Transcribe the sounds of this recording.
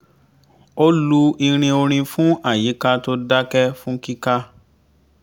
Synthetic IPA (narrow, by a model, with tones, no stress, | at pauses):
o˦lu˦i˧ɾ̃ĩ˧o˧ɾ̃ĩ˧fũ˦a˦˨ji˨˦ka˧to˦da˦kɛ˦fũ˦ki˦ka˦